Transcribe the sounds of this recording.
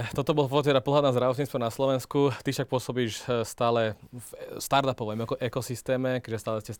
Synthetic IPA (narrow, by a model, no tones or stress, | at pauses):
t̪ɔt̪ɔbɔlɔpɔat̪ːɛt̪ɛd̪apɔlɦad̪naːzd̪ɾaʋɔt̪ɲiːt͡st̪ʋɔnaslɔʋɛnskut̪ifʃak̚pʊɔsɔbiːʃst̪aːlɛ | st̪aɾt̪apɔʋɛmɔkɔʔɛkɔsist̪ɛːmɛkɛʒɛst̪aːlɛscɛ